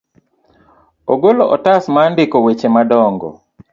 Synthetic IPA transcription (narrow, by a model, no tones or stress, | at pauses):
oɡoloʔɔtasmandɪkɔwet͡ʃemadɔŋɡɔ̰